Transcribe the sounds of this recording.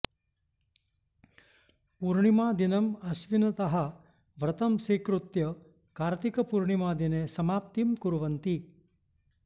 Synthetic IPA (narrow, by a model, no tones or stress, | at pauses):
puɾɳimaːd̪inɐmɐsʋinɐt̪ɐɦɐ | ʋɾɐt̪ɐmseːkɾut̪jɐ | kaːɾt̪ikɐpuɾɳimaːd̪ineːsɐmaːp̚t̪imkuɾʋɐnt̪i